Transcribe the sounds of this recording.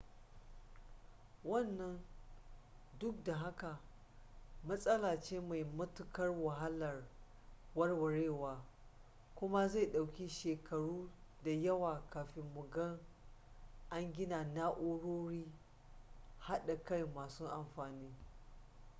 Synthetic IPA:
wɐ˦˨nːɐ˦n | dʊ˦k̚da˨ɦa˦ka˨ | mɐ˦sʼɐ˦laː˨t͡ʃeː˦ma˨jmʊ˦tʊ˦kɐ˦rwɐ˨ɦa˦lɐ˨r | wɐ˦rwɐ˨ɽeː˦˨waː˨ | kʷʊ˦ma˦za˦˨ɗa˨wkʲi˦ʃeː˨kɐ˨ɽuː˦da˨jɐ˦waː˨kaː˨ɸɪ˨mːʊ˨ɡɐ˦ŋ | ʔa˦ŋɡʲɪ˦naː˨naː˦ʔʊ˦ɽoː˦ɽiː˦ | ha˦ɗa˨ka˦jmaː˨su˦ʔa˨mɸaː˨niː˦

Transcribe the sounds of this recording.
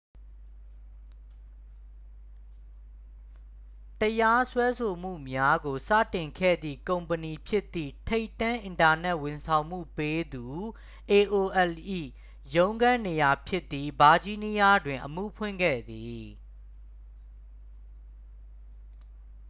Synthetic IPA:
təja˦swɛ˦sʰo˨m̥ṵ˦˨mja˦ɡo˨sä̰˦˨tɪ̃˨ŋkʰɛ̰˦˨d̪ðḭ˦˨kõ˨ʊ̃mpəni˨pʰjɪ˦ʔt̪ːḭ˦˨tʰe˦ɪtːã˦ʔɪ̃˨nta˨nɛ˦ʔwɪ̃˨nsʰã˨ʊ̃m̥ṵ˦˨pe˦d̪u˨ | ʔe˨ʔo˨ʔɛ˨lʔḭ˦˨ | jõ˦ʊ̃ŋɡã˦ne˨ja˨pʰjɪ˦t̪ːi˦ba˨d͡ʑi˦ni˦ja˦dwɪ̃˨ʔəmṵ˦˨pʰwɪ̃˦˨ŋɡɛ̰˦˨d̪i˨

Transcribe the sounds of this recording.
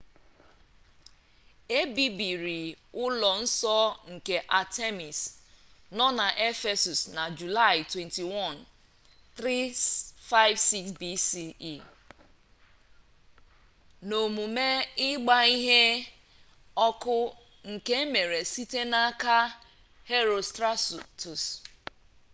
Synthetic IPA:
e˦bi˨bi˨ɾi˨ | ʊ˦lɔ˨n̩˦sɔ˦ŋ̩˨ke˨ʔa˨te˦mi˨snɔ˦na˨ʔe˦fe˨su˨sna˨d͡ʒu˨la˦˨ɪ˨twɛ˨nti˨wɔ˦˨n | t̪ɾi˦fa˦ɪ˦vsi˦ksbi˦si˦i˦˨ | no˨mu˨me˦ɪ˦ɡ͡ba˦i˦ɦe˦ | ɔ˦kʊ˦ | ŋ̩˨ke˦me˨ɾe˨si˦te˦na˦ka˦ | he˦ɾo˨stɾa˦stu˨s

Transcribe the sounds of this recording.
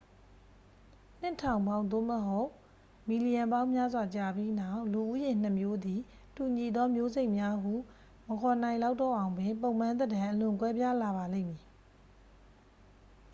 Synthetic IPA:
n̥ɪ̰˦˨tʰã˨ʊ̃mbã˦ʊ̃nd̪o̰˦˨məɦo˦ʊ | mi˨li˨jã˨mbã˦ʊ̃mja˦zwa˨t͡ɕa˨bji˦na˦˨ʔlu˨ʔu˦jɪ̃˨n̥ə˨mjo˦d̪i˨ | tu˨ɲi˨d̪ɔ˦mjo˦ze˦ɪʔmja˦ɦu˦˨ | məkʰɔ˨nã˨ɪ̃la˦ʊtɔ˦ʔã˨ʊ̃mbɪ̃˨mp̬õ˦˨ʊ̃m̥ːã˦nd̪ədã˨ʔəlʊ̃˨ŋkwɛ˦bja˦la˨βa˨lḛ̃˦˨mji˨

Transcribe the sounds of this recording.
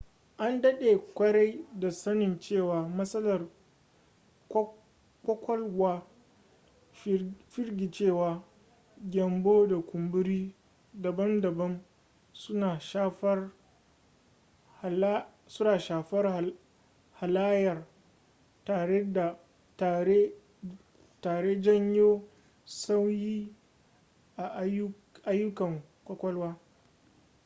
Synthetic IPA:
ʔa˦ndɐ˦ɗeː˨kʷɐ˦ɽa˦jda˨sɐ˦nɪ˨nt͡ʃeː˦˨waː˨mɐ˦sɐ˦lɐ˨r | kʷɔ˦kʷɔ˦lwaː˦ | ɸɪ˦ɾɡʲi˨t͡ʃeː˦˨waː˨ | ɡʲɛ˨mboː˦da˨kʷʊ˨mbʊ˦ɾiː˦ | dɐ˨bɐ˦ndɐ˨bɐ˦m | sʊ˦naː˨ʃaː˦ɸɐ˦r | h | sʊ˦naː˨ʃaː˨ɸɐ˦r | ha˨laː˦jɐ˨r | taː˨ɽe˦da˨ | ta˨e˦ | taː˨ɽe˦d͡ʒɐ˦ɲjoː˦ | sa˦wjiː˦ | ʔa˨ʔ | ʔa˦jːʊ˦kɐ˨ŋ | kʷɔ˦kʷɐ˦lwaː˦

